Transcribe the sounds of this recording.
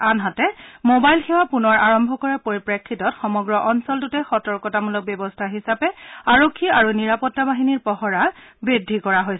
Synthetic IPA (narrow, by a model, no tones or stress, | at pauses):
anɦatɛmobajlxewapunɔɹaɹɔmbʱɔkɔɹɛpoɹipɹekʰːitɔtxɔmɔɡɹɔʔɔnsɔltutɛxɔtɔɹkɔtamulɔk̚bɔbɔstʰaɦisapɛaɹokʰːiaɹuniɹapɔtːabaɦiniɹpɔɦɔɹabɹidʱikɔɹaɦojs